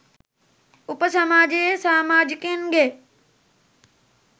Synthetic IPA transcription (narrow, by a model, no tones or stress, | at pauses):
ʊpəsɐmaːd͡ʑesaːmaːd͡ʑkẽːnɡeː